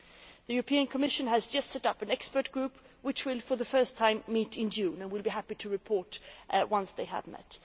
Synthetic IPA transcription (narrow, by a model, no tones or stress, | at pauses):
ðɨjʊɹəpʰĩɨ̃nkʰəmɪʃɨ̃nɨzd͡ʒʌstsɛɾʌpɨ̃nɛkspə˞t̚ɡ̥ɹʉp | wɨt͡ʃwɪlˠfə˞ðɨfɜ˞stʰãɪ̃mːiɾɪ̃nd͡ʒʉ̃nɨ̃nwɪlˠbiɦæpiɾɨɹɨpʰɔɹtwʌ̃nsðeɪə̰vmɛ̰t